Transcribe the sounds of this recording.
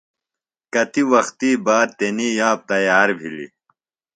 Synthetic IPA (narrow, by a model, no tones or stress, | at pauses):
kɐt̪iwɐxt̪iːbaːɾ̚t̪eniːjaːp̚t̪ɐjaːɾbʱilḭ